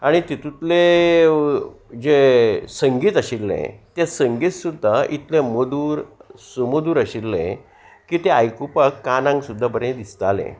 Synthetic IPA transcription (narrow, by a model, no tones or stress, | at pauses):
aɽ̃it̪it̪ut̪le | d͡ʑesəŋɡiːt̪əɕilːḛ̃t̪jasəŋɡiːt̪sud̪ʱːait̪lemod̪uːɾsumod̪uːɾəɕilːḛ̃ | kiːt̪eajkupəkːanãŋɡsud̪ʱːabəɾẽd̪ist̪alḛ̃